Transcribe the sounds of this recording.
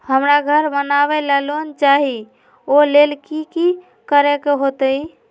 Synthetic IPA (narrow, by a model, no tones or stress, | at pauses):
həmɾaɡʱəɾmənabɛlɛlont͡ʃaɦi | olelkiki | kəɾɛkeɦot̪əi